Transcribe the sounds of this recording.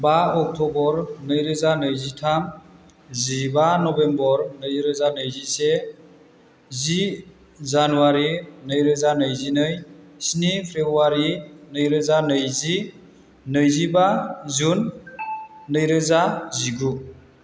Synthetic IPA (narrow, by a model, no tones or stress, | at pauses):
baɔk̚tʰɔbɔɾnɯjɾɯzanɯjzitʰam | zibanɔbembɔɾnɯjɾɯzanɯjzise | zi | zanuaɾinɯjɾɯzanɯjzinɯj | snipʰɾebɾuwaɾinɯjɾɯzanɯjzi | nɯjzibazunː | ɯjɾɯzaziɡu